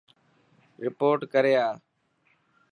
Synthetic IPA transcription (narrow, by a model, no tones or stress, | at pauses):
ɾɪpoːɾʈkəɾeːaː